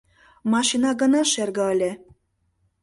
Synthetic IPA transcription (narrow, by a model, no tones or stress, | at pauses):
mɑʃinɑɣə̆nɑʃerɣə̆əlʲe